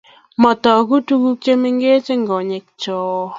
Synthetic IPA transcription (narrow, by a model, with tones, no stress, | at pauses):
mɔ˨t̪ɔ˨ku˦tu˦ku˦k̚t͡ʃe˦mɪ˦ŋɡe˦t͡ʃe˦ŋɡɔ˨ɲɪ˨k̚t͡ʃɔ˦